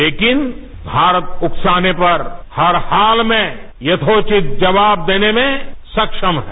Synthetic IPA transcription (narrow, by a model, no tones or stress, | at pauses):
leːkɪn | bʱaːɾət̪ʊksaːnepɐɾhɐɾhaːlmẽ | jɐt̪ʰoːt͡ʃɪt̪̚ʰd͡ʒɐʋaːb̚d̪eːnemẽsɐkʃəmɦɛ